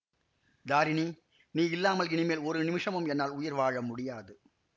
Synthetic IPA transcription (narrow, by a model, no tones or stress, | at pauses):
d̪aːɾɪni | niːɪlːaːmɐlɪɳɪmeːlɔɾɯnɪmɪʂɐmɯmɛnːaːlʊjɪɾʋaːɻɐmʊɽɪjaːðɯ